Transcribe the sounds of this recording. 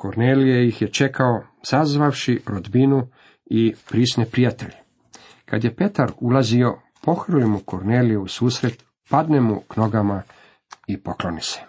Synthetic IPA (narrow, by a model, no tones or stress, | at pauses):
koɾneːlijejixjet͡ʃe̞kao̞ | sazʋaʋʃiɾod̪binu | ipɾiːsnepɾijat̪e̞ʎ | kad̪je̞pe̞t̪aɾulazio̞ | po̞xr̩limuko̞ɾneːlijeusuːsɾe̞t̪ | pad̪ne̞mukno̞ɡama | ipo̞klo̞nise̥